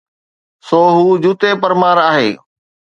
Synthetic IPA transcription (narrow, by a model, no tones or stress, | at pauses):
soːɦuːd͡ʑut̪epəɾmaːɾaːɦḛː